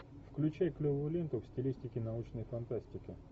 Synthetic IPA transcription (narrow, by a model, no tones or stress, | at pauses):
fklʲʉt͡ɕæjklʲovʊjʊlʲe̞nt̪ʊfsʲtʲɪlʲisʲtʲɪkʲɪnɐut͡ɕnəjfɐnt̪asʲtʲɪkʲɪ